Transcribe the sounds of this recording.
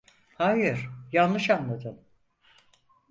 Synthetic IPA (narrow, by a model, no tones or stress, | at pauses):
hajɯɾ̥janlɯʃanlˠad̪ɯn